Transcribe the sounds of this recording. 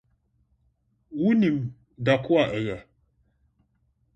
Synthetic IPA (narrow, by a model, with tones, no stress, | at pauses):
wu˦ni˨m | da˨ku˦a˨ʔə˨ja˨